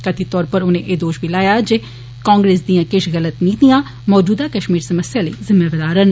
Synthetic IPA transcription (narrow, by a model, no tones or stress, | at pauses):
kət̪ʰit̪ɔːɾpəɾʊnẽːʔeːd̪oːʃbʱilaːjaːd͡ʒeː | kãːŋɡɾeːsd̪ijãːkɪʃɣələt̪nĩːt̪ijãː | mɔːd͡ʒuːd̪aːkəʃmiːɾsəməsjaːleːzɪmaːʋəd̪aːɾən